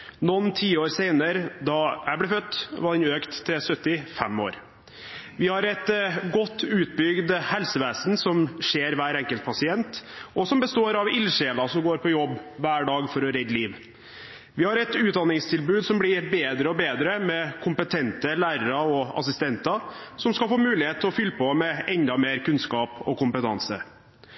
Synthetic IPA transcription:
nɔnt̪ʰiːəoːɾseɪnəɾəd̪ɑæblɛfœt̪ːʋɑnøːkt̪ʰːɛsœt̪ːɪfɛ̰mo̰ːɾ | ʋɪhɑɾɛt̪ɡɔt̪ʰːʉːt̪̚bʏɡd̪hɛlsəʋeːsnsɔmʂeːɾʋæːɾɛŋkəlt̪̚pʰɑsɪɛnt̪ʔɔsɔmbəst̪oːɾɑʋɪlʂeːlɑsɔmɡoːɾpʰɔjɔbːʋæːɖɑːɡfɔɾɔɾɛd̪liːʋ | ʋɪhɑɾɛt̪ʉːt̪̚d̪ɑnɪŋst̪ʰɪlbʉːd̪sɔmblɪbeːd̪ɾəɔbeːd̪ɾəmɛkʰʊmpət̪ʰɛnt̪əlæːɾəɾɑɔɑ̰sɪst̪ɛnt̪ɑsɔmskɑlfoːmʉːlɪheːt̪ʰːɪɔfʏlːəpʰomɛʔɛnd̪ɑmeːɾkʉnskɑːpɔkʊmpət̪ʰɑ̰nsə̰

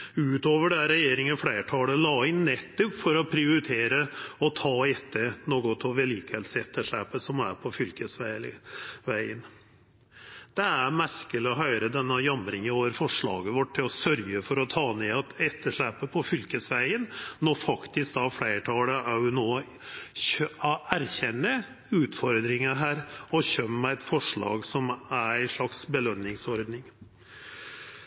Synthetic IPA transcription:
ʉːt̪oːʋəɖɛæɾɛjeːɾɪŋənfɽæɪʈʰɑːləlɑːɪnːɛt̪ːʊpfɔɾɔpʰɾɪʊɾɪt̪ʰeːɾəɔt̪ʰɑːɛt̪ʰːənoːɡɔt̪ʰɔʋɛliːkəɛlsɛt̪ːəʂɭæpəsɔmæ̰ɾpʰɔfʏlkəsʋæ | ʋæɪən | d̪̥ɛæmæɾkəlɪɔɦœʏɾəd̪ɛnːəjɑmɾɪŋɪoːʋəɾfɔʂɭɑ̰ːɡəʋɔʈʰːɪlɔsœɾɡəfɔɾɔt̪ʰɑːneːɑt̪ɛt̪ʰːəʂɭæpəpʰɔfʏlkəsʋæɪənnɔfɑkt̪ɪsk̚d̪ɑːfɽeɪʈʰɑːləʔæjʊnoː | æɾçɛnːə | ʉːt̪fɔɾd̪ɾɪŋəɦæːɾɔçœmːəæɪt̪fɔʂɭɑ̰ːɡsɔmææɪʂɭɑksbəlœnːɪŋsɔɾd̪nɪŋ

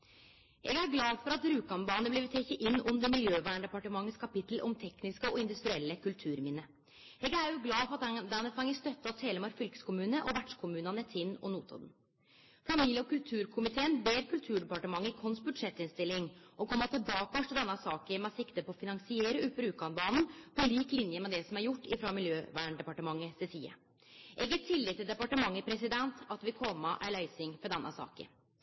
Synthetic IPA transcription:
ʔɛ̰ɡæɾɡlɑːfɔɾɑt̪ɾʉːkɑnbɑːnəbliʋt̪ʰeːçəʔɪnːʉnd̪əmɪljøːʋæːɳɖ̪ɛpɑʈəmɑŋːəskʰɑpɪt̪l̩ʔɔmt̪ʰɛknɪskəɔɪnd̪ʉst̪ɾɪɛlːəkʰʉlt̪ʰʉːɾmɪnːə | ɛɡæɾjʊɡlɑːfɔɾɑt̪d̪ɑnəfɑŋːəst̪œt̪ːɑt̪heːləmɑɾfʏlkə̥skʊmʉːnəʔɔʋæɖʂkʰʊmʉːnɑnət̪ʰɪnːɔ̰nuːt̪ʰɑ̰d̪n | fɑmiːljəɔkʉlt̪ʰʉːɾkʰʊmɪt̪ʰeːənbeːɾkʰʉlt̪ʰʉːɖɛpɑʈəmɑŋːəkʰɔnsbʉd̪ʂɛt̪ːɪnst̪ɪlːɪŋɔkʰɔmːɑt̪ʰɪlbɑːkɑʂʈʰɪld̪ɛnːɑsɑːkəmɛɑsɪkt̪əpɔɔfɪnɑŋsɪeɾəʉpːəɾʉːkɑnbɑːnn̩pʰɔliːklɪnjəmɛd̪ɛsɔmæɾjʊʈːɪfɾɑmɪljøːʋæːɳɖɛpɑʈəmɑŋːəst̪ɛsʰḭːə̰ | ʔɛɡət̪ʰːɪlːɪt̪ʰːɪld̪ɛpɑʈəmɑŋːəpʰɾɛsɪd̪ɛnt̪ʰɑt̪ʋɪkʰɔmːɑʔæɭœʏsɪŋfɔd̪ɛnːʔɑ̰sɑ̰ːkə̰

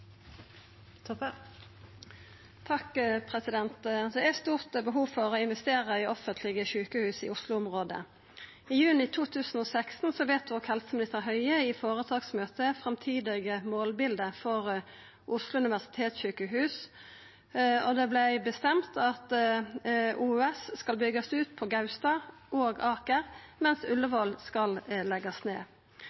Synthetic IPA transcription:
t̪ʰɑkpʰʁɛsɪd̪ɛnt̪d̪ɛæst̪uːʁt̪bəɦuːfɔʁɔːɪnʋɛst̪eːʁəɪɔfənt̪ʰlɪɡəɕʉːkəhʉːsɪ̰ʊslʊʊmʁoːd̪ə̰ | ɪjʉːnɪt̪ʰuːt̪ʰʉːsn̩ɔːsækst̪n̩sɔʋeːt̪̚d̪ʉʋɔkhɛlsəmlɪt̪ɑʁɦœʏəɪfoːʁət̪ʰɑːɡsmøːt̪əfʁɛmt̪ʰiːd̪ɪɡəmoːlbɪld̪əfɔʁ | ʔʊslʊʉnɪʋæʁsɪ̥t̪ʰeːt̪sɕyːkəɦʉːs | ɔd̪ɛːblæɪbəst̪ɛmt̪ʰɑt̪ | ʔuːʉːɛsskɑlbʏɡɑsʉːt̪pʰɔɡɑʉst̪ɑ | ʔoːɡɑːkəʁmɛnsʉləʋɔlskɑllɛɡɑsneː

